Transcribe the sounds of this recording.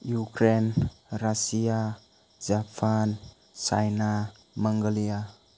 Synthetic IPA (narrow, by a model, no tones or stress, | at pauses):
jukɾenɾasia | d͡ʒapʰan | t͡ʃa̰jna | maŋɡolia